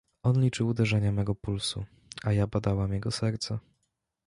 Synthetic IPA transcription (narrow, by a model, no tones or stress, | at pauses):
ɔnlʲit͡ʂɘwud̪ɛʐɛɲamɛɡɔpulsṵ | ajabad̪awamjɛɡɔsɛɾt̪sa